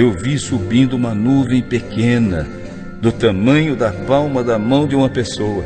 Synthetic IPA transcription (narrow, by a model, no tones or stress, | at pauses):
ewvisubĩnd̪ʊũmɐnuvẽj̃pekẽnɐ | d̪ʊt̪ɐmɐ̃ɲʊd̪ɐpawmɐd̪ɐmɐ̃w̃d̪ɪũmɐpesowɐ